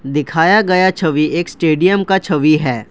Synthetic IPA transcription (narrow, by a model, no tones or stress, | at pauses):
d̪ɪkʰaːjaɡɐjat͡ʃʰɐʋieːksʈeːɖijəmkat͡ʃʰɐʋiɦɛː